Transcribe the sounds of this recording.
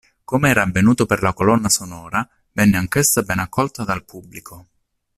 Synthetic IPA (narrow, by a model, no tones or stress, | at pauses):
komeɛːɾaːvːenuːt̪operlakolɔnːasonɔːɾa | vɛnːeaŋkesːabɛnakʰːɔlt̪ad̪alpʰubːlikʰo